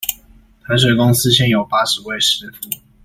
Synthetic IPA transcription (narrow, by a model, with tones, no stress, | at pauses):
t̪ʰa˧˥ɪʂ̬we˨˩ɪkʊ˥ŋsɹ̩˥ɕjɛ˥˨njo˨˩ʊpa˥ʂɻ̩˨˧˦we˥˨ɪʂɻ̩˥fu˥˩